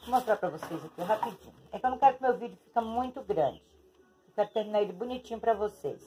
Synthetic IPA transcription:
most̪ɾapɾɐvosejzɐkiɦapid͡ʒḭ̃ɲʊɛkɐ̃nũkɛɾʊkɪmewvid͡ʒʊfi̥kɐmũj̃t̪ʊɡɾɐ̰̃d͡ʒɪ | ewkɛɾʊt̪eɾminaɾelɪbunit͡ʃĩɲʊpɾɐvosḛs

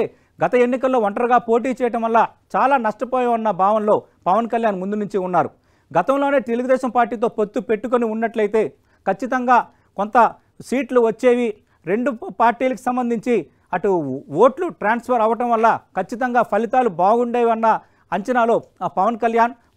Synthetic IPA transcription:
eː | ɡɐt̪ɐenːik̬ɐlːo̞ːɐɳʈɐɾɐɡaːpo̞ːʈ̬iːt͡ʃɛːjɐʈɐmʋɐlːat͡ʃaːlaːnɐʂʈɐpɔːjɐʋɐnːɐbʱaːʋɐnlo̞ː | pɐʋɐnkɐljaːnmund̪unuɲt͡ʃiunːaːɾu | ɡɐt̪ɐmlo̞ːne̞ːt̪e̞luɡud̪ɛːʃɐmpaːɾʈːiːt̪̬o̞ːpot̪ːupe̞ʈːuk̬oniunːɐʈlɐjit̪e̞ː | kɐt͡ʃːit̪ɐŋɡaː | ko̞nt̪ɐ | siːʈluʋɐt͡ʃːe̞ːʋi | ɾe̞ɳɖupaːɾʈiːlɐku̥sɐmbɐnd̪ʱiɲt͡ʃi | ɐʈuʋo̞ːʈluʈɾaːnspʰɐɾɐʋɐʈɐmʋɐlːɐkɐt͡ʃːit̪ɐŋɡaːpʰɐlit̪aːlubaːɡuɳɖɛːjʋɐnːɐ | ɐɲt͡ʃɐnaːlo̞ːpɐʋɐnkɐljaːn

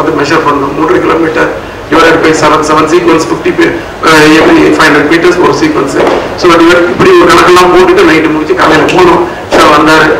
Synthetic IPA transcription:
nd̪ɯmɛʃɐɾpɐnɖʊ̃muːnɾɐkɪloːmiːʈːɐɾ | ɪʋɐɾɐɾɯpɐɪsɐʋɐnsɛʋɐns̬iːkʋɐnsʈɪfʈip | ɛpːɐɽifɐɪnɐlmiːʈɐspo̰ːɾsiːkʋɐnsɨsoːɖɪʋɐɪpːɐɽiɔɾkɐɳɐkːɐlːãːpoːʈːɯʈːɯnɐɪʈːɯmʊɣɪt͡ʃːɯkɐːlɐjɪlɐpoːɽʊ̃ | sɐːʋɐnd̪aːɾɯ

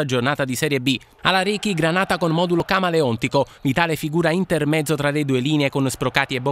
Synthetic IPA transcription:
ad͡ʒornaːt̪ad̪isɛɾjebi | alaɾiːkiɡɾanaːt̪akonmɔd̪ulokaːmaleɔnt̪ikovit̪aːlefiɡuːɾaint̪ermɛd̪zːot̪ɾaled̪uːeliːneekonspɾokaːt̪iɛbo

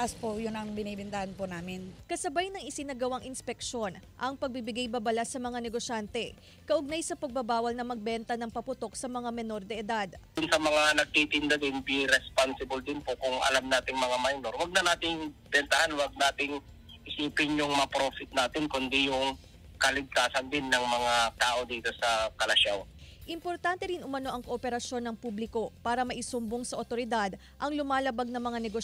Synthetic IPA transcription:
ʔaspojʊnɐŋbɪniːbɛnt̪ɐhanpʊnaːmɪnkɐsɐbajnɐŋɪsɪnaɡɐwaŋʔɪnspɛk̚ʃo̞nʔɐŋpɐɡ̚bibɪɡajbɐbɐlasɐmɐŋanɛɡoʃant̪ɛ | kɐʔʊɡ̚najsɐpɐɡ̚bɐbaːwɐlnɐmɐɡ̚bɛnt̪ɐnɐŋpɐpʊt̪o̞k̚sɐmɐŋamɛno̞ɾd̪ɛʔɛd̪ad̪ʊnsɐmɐŋanɐɡ̚t̪it̪ɪnd̪ɐd̪ɪnbiɾɛspansɪbɐld̪ɪnpokʊŋʔɐ̰lamnaːt̪ɪŋmɐŋamajno̞ɾwɐɡ̚nɐnaːt̪ɪŋbɛnt̪ɐhanwɐɡ̚naːt̪ɪŋ | ʔɪsiːpɪnjʊŋmɐapɾo̞ːfɪt̪̚naːt̪ɪnkʊnd̪ɪjʊŋ | kɐlɪɡ̚t̪aːsɐnd̪ɪnːɐŋmɐŋat̪aːʔo̞d̪iːt̪o̞sɐkɐlɐʃawʔɪmpo̞ɾt̪ant̪ɛɾinʔʊmɐno̞ʔɐŋkoʔopɛɾɐʃo̞nːɐŋpublɪko̞paːɾɐmɐʔɪsʊmboŋsɐʔot̪o̞ɾɪd̪ad̪ | ʔɐŋlʊmaːlɐbaɡ̚nɐŋmɐŋanɛɡo

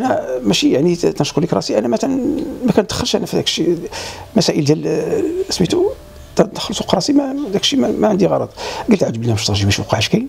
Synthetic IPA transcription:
ʔænæmæʃijaʕnit̪ænʃqulikɾˤɑsiʔænːæmækænmækænt̪ːxəlʃʔænæfid̪ækʃimæsæʔəld̪ælʔəsmit̪u | t̪əxlsuqɾˤɑsimæd̪ækʃimæmæʕənd̪iɣɑɾˤɑ̰d̪ˤɡəlt̪ʕad͡ʒəbəlnæmæʃt̪ɑɾˤʒibæʃwqɑʕæʃkæjn

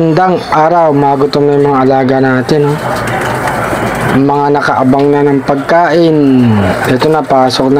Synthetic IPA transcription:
nd̪aŋʔaːɾɐwmaːɡʊt̪oŋnɐjʊŋmɐŋaʔɐlaːɡɐnaːt̪ɪnːo | mɐŋanɐkɐʔɐbaŋnɐnɐŋpɐɡ̚kaːʔɪnʔɛt̪onɐpaːsok̚nɐ

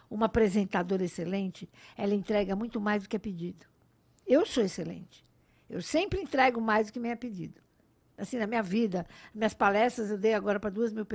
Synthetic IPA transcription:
ũmɐapɾezẽnt̪ad̪oɾeselẽnt͡ʃɪɛlɐẽt̪ɾɛɡɐmũj̃t̪ʊmajzd̪ʊkɪɛped͡ʒid̪ʊ | ewsoeselḛ̃nt͡ʃɪ̥ | ḛwsẽmpɾɪẽnt̪ɾɛɡʊmajzd̪ʊkɪmẽj̃ɛped͡ʒḭd̪ʊ | asĩnɐmĩɲɐvid̪ɐnɐmĩɲɐspalɛst̪ɾɐzewd̪ejaɡɔɾɐpɾɐd̪uɐzmiwpe

